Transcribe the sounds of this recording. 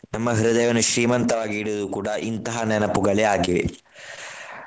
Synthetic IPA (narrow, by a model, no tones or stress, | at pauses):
nɐmːɐɦiɾud̪ɐjɐnːuʃɾiːmɐnt̪ɐʋaːɡiːɽid̪ukuːɽɐʔint̪ɐɦɐnɐnɐpuɡɐɭeaːɡiʋḛ